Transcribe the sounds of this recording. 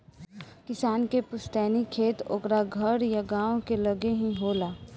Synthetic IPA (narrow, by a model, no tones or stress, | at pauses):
kɪsaːnkepʊst̪ɛːnikʰeːt̪o̰ːkɾaɡʱɐɾjaɡãːõkelɐɡeɦĩɦoːlaː